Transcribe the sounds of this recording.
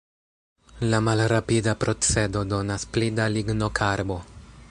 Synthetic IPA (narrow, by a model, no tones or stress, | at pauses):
lamalɾapidapɾʔo̞t͡se̞do̞do̞nasplidaliɡno̞kʰaɾbo̞